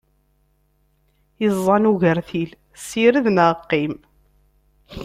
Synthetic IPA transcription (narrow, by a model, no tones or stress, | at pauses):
izˤːɑnuʝəɾθil | siɾəðnəqːim